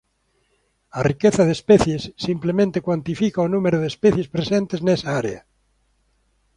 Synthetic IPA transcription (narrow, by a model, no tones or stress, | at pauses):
arikeθaðespeθjesːimplemẽnt̪ekwant̪ifikaonũmeɾoðespeθjespɾesẽnt̪eznesaaɾḛa̰